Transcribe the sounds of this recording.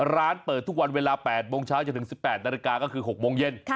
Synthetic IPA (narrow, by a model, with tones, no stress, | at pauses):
ɾaː˦˥npəɤː˨˩t̪ʰːu˥˩k̚wa˧nweː˧laː˧pɛː˨˩t̪̚moː˧ŋt͡ɕʰaː˦˥wt͡ɕa˨˩nt̪ɯ˩˦ŋsi˨˩pːɛː˨˩t̪̚na˧ɾi˧kaː˧kɔː˥˩kʰɯː˧ɦo˨˩k̚moː˧ŋje˥˩n